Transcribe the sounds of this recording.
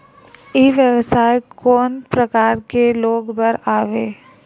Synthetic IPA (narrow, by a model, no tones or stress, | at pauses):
eʋjəʋsaːjkɔːnpɾəkaːɾkeloːɡbəɾaːʋeː